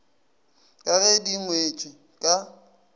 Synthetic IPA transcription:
kʼaɣediŋwet͡ʃʼi | kʼa

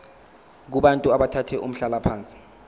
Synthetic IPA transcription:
k̬uɓantʼuaɓatʰatʰɛʔum̩ɬalapʰaːnt͡sʼi̥

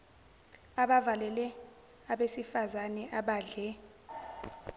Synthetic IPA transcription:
aɓavalɛlɛ | aɓesifazanɛʔaɓaːɮɛ

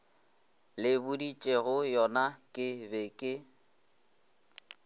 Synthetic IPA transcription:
lɪbʊdit͡ʃʼeɣʊjɔnakʼɪbekʼɪ

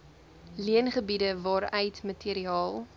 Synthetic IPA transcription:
liənχəbidəvɑːɾœjtmətiɾiɑːlˠ

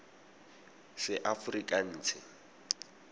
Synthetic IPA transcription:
sɪʔafrikʼan̩ːt͡sʰɪ

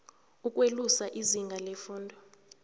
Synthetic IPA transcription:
ukʼwelusaʔiziŋɡʱalɛfuːndʱɔ

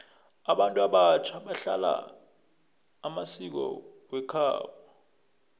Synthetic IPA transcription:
aɓantʼuaɓat͡ʃʰaɓaɬa̰la̰ | masik̬ɔ̰ | wɛkʰa̰ːɓa

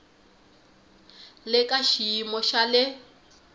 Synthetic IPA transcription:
lɪkaʃiːmɔʃalɪ

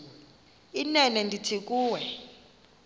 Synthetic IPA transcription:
inɛnɛndʱitʰik̬ʼuːwɛ

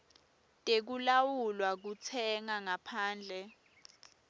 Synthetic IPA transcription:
tʼek̬ulawulwak̬ut͡sʰɛŋaŋapʰaːnd͡ɮʱɛ

